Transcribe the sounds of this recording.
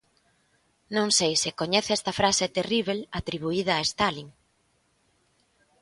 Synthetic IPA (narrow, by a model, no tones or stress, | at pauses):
nõŋsejsɪkoɲɛθɛst̪ɐfɾaset̪eriβ̞elat̪ɾiβ̞uið̞ɐːest̪aliŋ